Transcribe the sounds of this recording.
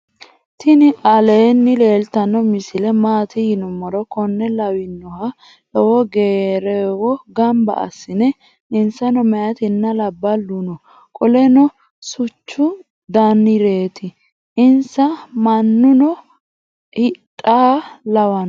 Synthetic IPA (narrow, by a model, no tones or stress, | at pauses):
t̪ʰɪnɪʔɐleːnːɪleːlt̪ɐnːɔmɪsɪlɛmaːt̪ɪhɪnʊmːɔɾɔkɔnːɛlɐwɪnːɔhɐ | ɛwɔɡeːɾɛwɔɡɐmbɐ̰ɐ̰sːɪnɛ | ɪnsɐnɔmɛjɐt̪ɪnːɐlɐbːɐlːunɔ | kʼɔlɛnɔ | sʊt͡ʃːʊ | d̪ɐnːɪɾe̞ːt̪ɪ | ɪnsɐmɐnːʊnɔ | hɪtʼːaːlɐwɐn